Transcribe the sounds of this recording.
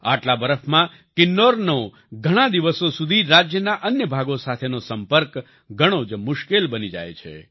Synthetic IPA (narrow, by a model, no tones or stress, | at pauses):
a̰ʈlabəɾəfʰmã | kɪnːoɾno | ɡʱəɽ̃ãd̪iʋəsosud̪ʱiɾad͡ʒjənaʔənjəbʱaɡosat̪ʰenosəmpəɾk | ɡʱəɽ̃od͡ʒmʊʃkelbənid͡ʒa̰jt͡ʃʰḛ